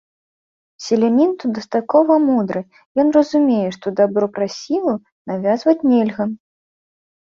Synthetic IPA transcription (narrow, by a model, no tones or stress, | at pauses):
sʲɪlʲɛmʲint̪ud̪ɐst̪at̪̚kɔvɐmud̪ɾɨ | jɔnrɐzumʲejɛʂt̪ɔd̪abɾɔpɾasʲilˠɐ | navʲazvɐt͡sʲnʲelʲɣɐ